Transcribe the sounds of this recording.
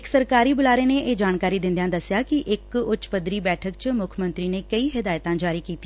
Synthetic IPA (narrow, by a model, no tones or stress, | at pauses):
ɪksəɾkaːɾiːbʊlaːɾeːneːʔeːd͡ʒaːnkaːɾiːd̪ɪ̃nd̪ejãːd̪əsːjaːkiʔɪkʊt͡ʃpəd̪ɾiːbɛːʈʰəkt͡ʃmʊkʰəmə̃nt̪ɾiːneːkəiːɦɪd̪aːjət̪ãːd͡ʒaːɾiːkiːt̪iː